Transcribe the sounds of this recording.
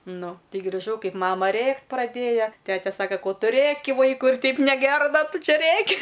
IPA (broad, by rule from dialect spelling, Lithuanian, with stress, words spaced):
ˈnʊ ˈtʲɛɪ ɡrʲɪˈʒɐʊ ˈkɐɪp ˈmɑːmɐ ˈrʲeːktʲ prɐˈdʲeːjɛ ˈtʲæːtʲɛ ˈsɑːkɐ ˈkoː ˈtʊ ˈrʲeːkʲɪ ˈʋɐɪkʊɪ ɪr ˈtʲɛɪp nʲɛˈɡʲæːrɐ ˈdɐ ˈtʊ ˈt͡ʃʲɛ ˈrʲeːkʲɪ